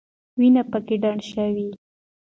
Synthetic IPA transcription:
winapəkeɖaɳɖʃəwi

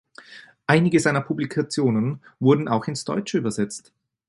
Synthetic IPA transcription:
ʔaɪnɪɡəzaɪnɐpʰublikʰat͡sjoːnənvʊɐdn̩aʊxɪnsd̥ɔ̰ʏt͡ʃəyːbɐzɛt͡st

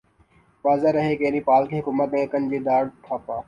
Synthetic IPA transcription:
ʋaːzaːɾəɦeːkeːnĩːpaːlkʰiːɦʊkuːmət̪̚nẽːkənd͡ʑiːd̪aːɽɖt̪ʰaːpaː

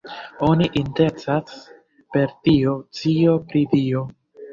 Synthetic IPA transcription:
o̞niʔinde̞t͡sas | pe̞ɾtio̞t͡sio̞pɾidio̞

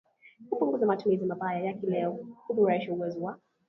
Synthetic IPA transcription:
kupuŋɡuzamatumizimabajajakilɛɔkubuɾaiʃauwɛziwa

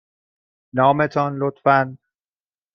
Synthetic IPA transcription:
nɒːmet̪ʰɒnlot̪fæn

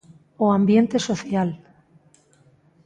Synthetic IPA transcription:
oambjent̪esoθjal

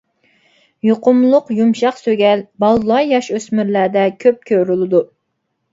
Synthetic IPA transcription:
joqʊmlˠʊqjumʃɑqsøɡʲɛlbɑlˠlˠɑjɑʃøsmyɾlæːd̪ɛkʲʰøp̚kʲʰøɾylˠɨd̪u

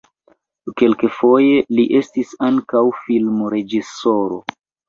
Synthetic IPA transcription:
ke̞lkefo̞je̞liʔe̞stisaŋkawfilmoɾe̞d͡ʒiso̞ɾo̞̰

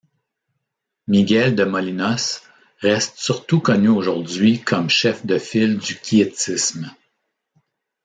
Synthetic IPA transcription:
miɡʲɛld̪əmɔlinɔs | ʁɛst̪syʁt̪ukɔnyoʒʊʁdd͡zɥikʰɔmʃɛfd̪əfɪld̪ykʲʰiet͡sɪsm

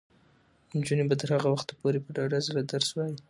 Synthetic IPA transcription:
ɪnd͡ʒunebat̪əɾhaɣawaxt̪apoɾepəɖaɖazəɾad̪aɾswaji

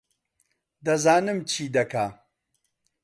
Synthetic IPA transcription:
d̪ɐzaːnɨmt͡ʃʰiːd̪ɐka

